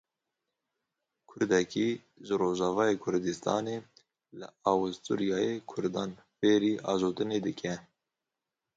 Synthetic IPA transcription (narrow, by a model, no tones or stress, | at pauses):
kʰʊɾd̪ɛki | ʒɨɾoːʒɑːvɑːjekʰʊɾd̪ist̪ʰɑ̰ːneː | lɨ̰ɑːwɨst̪ṵɾjɑːjekʰʊɾd̪ɑːn | feːɾiːʔɑːzoːt̪ɨneːd̪ɨkʲʰɛ